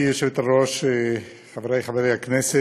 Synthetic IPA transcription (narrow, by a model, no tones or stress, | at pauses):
joʃevt̪aɾoʃe | χavɾajχaveɾejaknɛse